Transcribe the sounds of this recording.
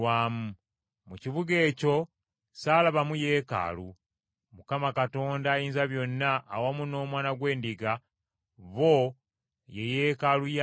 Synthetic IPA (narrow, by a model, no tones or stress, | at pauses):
waːmu | muciβuɡe̞ːco̞ | saːlaβamuje̞ːka̰lu | mukamakato̞ːndaːjiːnzaβjo̞nːaʔːwamuno̞ːmwaːnaɡwe̞ːndiɡa | βo | jejeːkaluja